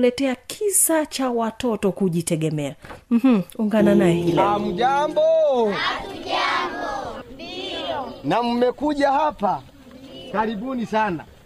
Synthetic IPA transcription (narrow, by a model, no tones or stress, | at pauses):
lɛtɛakʰisat͡ʃawatɔtɔkuʄitɛɡɛmɛam̩hm̩uŋɡananajɛhilm̩d͡ʒambɔ | nam̩mɛkuʄahapa | kaɾiɓunisana̰